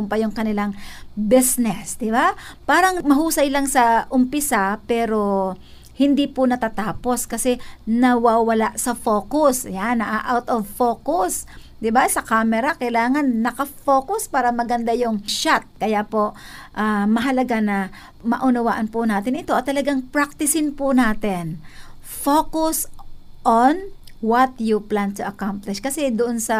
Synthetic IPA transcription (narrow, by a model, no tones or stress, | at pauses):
ʊmpɐjʊŋkɐnɪlaŋbɪsnɛsd̪ɪbapaːɾɐŋmɐhuːsɐjlaŋsɐʔʊmpɪsapɛːɾo̞ | hɪnd̪ipʊnɐt̪aːt̪aːpo̞skɐsɛnɐwawɐlaʔsɐfoːkʊsjanɐʔaʔawt̪ovfokʊs | d̪ɪbasɐkaːmɛɾɐkɐjlaːŋɐnːɐkɐfoːkʊspaːɾɐmɐɡɐnd̪ajʊŋʃat̪̚kɐjapo̞ʔ | ʔamɐɦɐlɐɡanɐ | mɐ̰ʔʊnɐwaːʔɐnpʊnaːt̪ɪnɪt̪o̞ʔɐt̪ːɐlɐɡaŋpɹak̚t̪ɪsɪnpʊnaːt̪ɪnfoːkʊsʔonwɐt̪jʊplant̪ʊʔɐkamplɪʃkɐsɛd̪ʊʔonsɐ